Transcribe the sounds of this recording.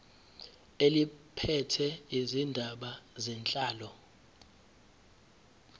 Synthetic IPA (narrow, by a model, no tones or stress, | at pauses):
elipʰɛtʰɛizindʱaɓazɛnt͡ɬʼaːlɔ